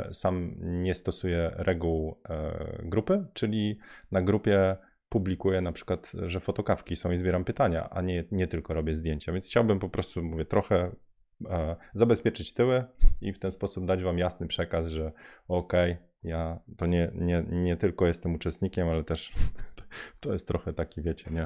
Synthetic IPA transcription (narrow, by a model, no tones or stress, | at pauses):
samɲɛst̪ɔsujɛɾʔɛɡuw̰ | ɡɾupɘt͡ʂɘlʲinaɡɾupʲjɛ | publʲikujɛnapʂɘ̥kwat̪ʐɛfɔt̪ɔkafkʲisɔ̃w̃izbʲjɛɾampɘt̪aɲa̰ʔa̰ɲɛɲɛt̪ɘlkɔɾɔbʲjɛzd̪ʲjeɲt͡ɕavʲjɛnsxt͡ɕawabɘmpɔpɾɔst̪umuvʲjɛt̪ɾɔxɛ | zabɛspʲjɛt͡ʂɘt͡ɕt̪ɘwɘift̪ɛnspɔsub̚d̪ad͡ʑvamjasnɘpʂɛkasʐɛɔkɛj | jat̪ɔɲɛɲɛɲɛt̪ɘlkɔjɛst̪ɛmut͡ʂɛst̪ɲikʲɛmalɛt̪ɛʂ | t̪ɔjɛst̪ːɾɔxɛt̪akʲivʲjet͡ɕɛɲɛ